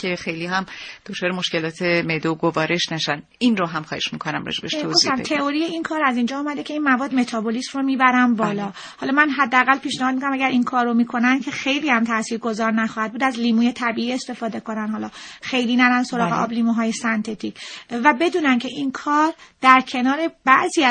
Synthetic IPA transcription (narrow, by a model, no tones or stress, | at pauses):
cʰexejliɦæmd̪̥ot͡ʃʰɒːɾemoʃce̞lɒːt̪ʰemed̪oɡovɒːɾe̞ʃnæʃæn | inroɦæmχɒːheʃmikʰonæ̰mɾɒ̰d͡ʒebet̪ʰoɡozft̪æmt̪ʰeo̞ɾijeinkʰɒːɾæzind͡ʒɒumæd̪e̞cʰe̞inmævɒːd̪me̞t̪ʰɒːbolismromiːbæɾænbɒːlɒː | hɒːlɒmænɦæd̪ːeæɣælpʰiːʃnæhɒːd̪̚mikonæmæɡæɾʔinkʰɒːɾːomiːkʰo̞nænd̪cʰe̞xejlihæmt̪ʰæsiːɾɡo̞zɒːɾnæxɒːhæd̪̚buːd̪æzliːmuːje̞t̪ʰæbiiːe̞st̪e̞fɒːd̪e̞ko̞nænhɒːlɒːxe̞jliːnæɾænsoɾɒːɣeʔɒ̰bliːmuɦɒːjesænt̪ʰet̪ʰicʰvæbe̞d̪uːnæncʰe̞ʔinkʰɒːɾd̪̥æɾcʰe̞nɒːɾe̞bæʔziː